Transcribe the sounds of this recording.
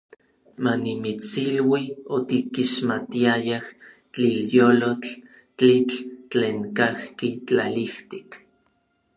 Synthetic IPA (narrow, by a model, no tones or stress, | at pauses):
manimit͡silwiot̪ikiʃmat̪iajah | t͡ɬiljoːlot͡ɬ | t͡ɬit͡ɬt͡ɬeːŋkahkit͡ɬaliht̪i̥k